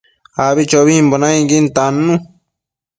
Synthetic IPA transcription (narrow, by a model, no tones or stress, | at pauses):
aβit͡ʃoβimbonãĩɡint̪anːũ